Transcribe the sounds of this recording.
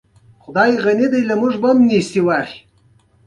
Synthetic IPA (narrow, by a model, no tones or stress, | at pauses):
χʊd̪ɑjʁanid̪ajlamuʐbamnist̪iwɑːχi̥